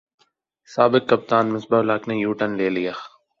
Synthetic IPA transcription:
saːbɪkːɐp̚t̪aːnmɪsbaʊlaːkneːjuːʈənleːlijax

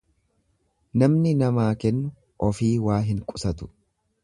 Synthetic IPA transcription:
nɐmnɪnɐmaːkɛnːʊ | ʔɔfiːwaːɦɪŋkʼʊ̥sɐt̪ʊ̥

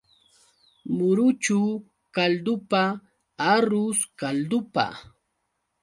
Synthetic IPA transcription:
mʊɾʊt͡ʃu | kald̪ʊpa | aɾʊskald̪ʊpa̰

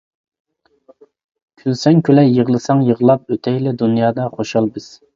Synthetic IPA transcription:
kʲʰylsɛŋkʰʲølɛjəʁlˠɨsɑŋjəʁlˠɑp̚øt̪ʰɛjlɪd̪unjɑːd̪ɑχoʃɑlˠbɪz̥

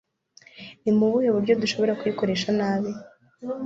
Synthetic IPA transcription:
nimuβujoβuɾɟo̞duʃo̞βo̞ɾakujiko̞ɾe̞ʃanaːβe

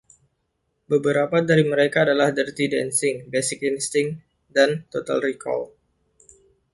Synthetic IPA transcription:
bəbəɾapadaɾiməɾekaːdalahdərt̪idɛnsɪŋbesɪk̚inst̪ɪŋ | dant̪ot̪a̰lrikʰɔ̰l

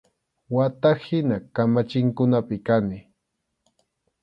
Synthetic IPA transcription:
wat̪ahɪnakamat͡ʃɪŋkʊnapɪkanɪ

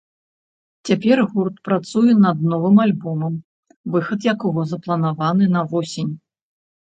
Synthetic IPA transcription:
t͡sʲapʲɛrɣurt̪̚pɾat̪sujɛnɐd̪̚nɔvɨmalʲbɔmɐm | vɨxɐt̪jakɔɣɔzɐplˠɐnavanɨnɐvɔsʲenʲ

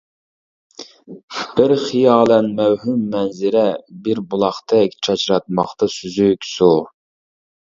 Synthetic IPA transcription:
b̥ɪɾχijɑːlˠɛnmɛwhymːɛnzɪɾɛbɪɾbulˠɑχt̪ʰɛkʲt͡ʃʰɑt͡ʃɾɑt̪̚mɑχt̪ɑsyzykʲsu

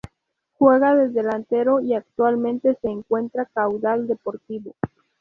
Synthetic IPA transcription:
xwe̞ɣaðe̞ðelant̪e̞ɾo̞iak̚t̪walmẽ̞nt̪e̞se̞ːŋkwe̞nt̪ɾakawðald̪e̞po̞ɾt̪iβo̞

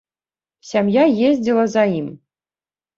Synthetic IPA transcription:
sʲamjajezʲdʲilˠɐzaim

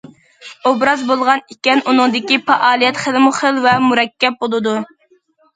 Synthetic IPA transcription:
obɾɑzbolˠʁɑnikʲɛnunɨŋd̪ɪkʲipɑʔɑːlˠijɛt̪χəlmʊχəlvɛmuɾɛkʲːɛp̚bolˠɨd̪u

